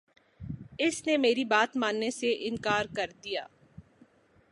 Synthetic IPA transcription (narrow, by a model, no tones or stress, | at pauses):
ɪsnemeːɾibaːt̪mãːnːeseʔɪ̃nkaːɾkɐɾd̪ija̰ː